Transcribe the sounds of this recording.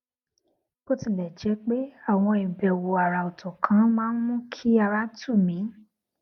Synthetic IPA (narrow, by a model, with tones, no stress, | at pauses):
b̥o˦tĩ˦˨lɛ˨d͡ʒɛ˨˧˦k͡pe˦a˦˨w̃ɔ̃˧i˨bɛ˨wo˨a˨ɾa˨o˨tɔ̃˨kʰã˨˦mãː˦n̩˦mũ˦kʰi˦a˧ɾa˦tu˦˨mĩ˨˦